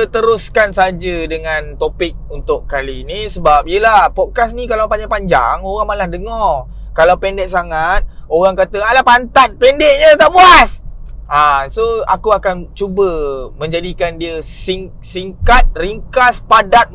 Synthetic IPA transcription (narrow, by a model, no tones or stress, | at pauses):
ət̪əɾʊskansəad͡ʒədəŋant̪opɪk̚unt̪ʊʔkalinisəbap̚ijəlahpɔt̚kasnikalawpaɲd͡ʒapaɲd͡ʒa̰ŋoɣaŋmalahdəŋɔr | kalawpɛndɛʔ̚saŋat̪̚oɾaŋkat̪əalapant̪at̪̚pɛndɛʔ̚ɲət̪aʔbuasasoa̰kuakant͡ʃubəmə̃ɲd͡ʒadikandiəsiŋ | siŋkat̪̚riŋkaspadat̪̚